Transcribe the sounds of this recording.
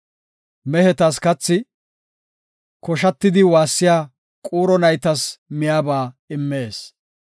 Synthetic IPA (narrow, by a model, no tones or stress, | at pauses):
mɛhɛt̪ɐskɐt͡sːɪ | kɔʃɐt̪ːɪd̪ɪwaːsːɪjaː | kʼuːɾɔnɐjt̪ɐsmɪjaːbaːɪmːeːs